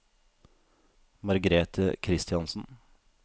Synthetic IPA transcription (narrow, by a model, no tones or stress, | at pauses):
mɑɾɡɾeːt̪ʰəkʰɾɪst̪ɪɑnsn̩